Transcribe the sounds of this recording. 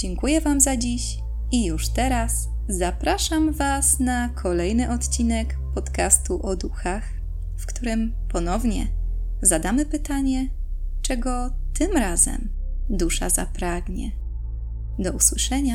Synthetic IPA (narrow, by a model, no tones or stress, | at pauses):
d͡ʑɛŋkujɛvamzad͡ʑiɕ | ijuʂt̪ɛɾas | zapɾaʂamvasnakʰɔlɛjnɘʔɔt̪t͡ɕinɛk | pɔt̪kast̪uʔɔd̪uxax | fkt̪uɾɘm | pɔnɔvɲɛ̰ | zad̪amɘpɘt̪aɲɛ | t͡ʂɛɡɔ | t̪ɘmɾazɛ̰m | d̪uʂa̰za̰pɾaɡɲɛ̰ | d̪ɔuswɘʂɛɲa